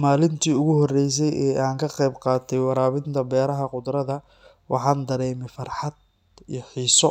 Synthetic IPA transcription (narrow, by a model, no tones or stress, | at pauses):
maːlɪnt̪ʰiːʊɣʊhɔrɛjs̬ɛjɛːʔaːŋkʰɐqɛjbqɑːt̪ʰɛjwɑɾaːβɪnt̪ʰɐbɛːɾɐɦɐqʊd̪ɾɐðɐ | wʔɑ̰ħɑːnd̪ɐɾɛːmɛfɐrħɑd̪̚ | iːjɔħiːsɔ